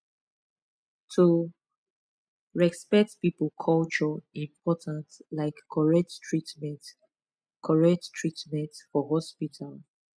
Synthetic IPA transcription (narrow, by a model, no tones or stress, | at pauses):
tʰu | ɹɛkspɛk̚tpipəlkʰɔlt͡ʃɔĩmpʰɔtʰãntlaɪkʰːɔɹɛk̚ttʰɹitmɛ̃nt | kʰɔɹɛk̚ttʰɹitmɛ̃ntfɔɦɔspitʰal